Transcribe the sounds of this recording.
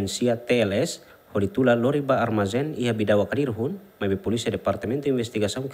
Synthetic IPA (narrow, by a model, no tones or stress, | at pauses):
nsiat̪ɛlɛs | hɔdit̪ulalɔɾibaːrmazɛniɦabidawakadirɦunmabɛpɔlisiadɛpart̪ɛmɛnt̪uinbɛst̪iɡasɔŋk